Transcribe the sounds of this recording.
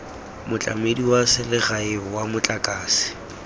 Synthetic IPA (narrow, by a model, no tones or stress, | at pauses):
mʊt͡ɬʼa̰mediwasɪlɪɣaɪwamʊt͡ɬʼakʼaːsɪ̥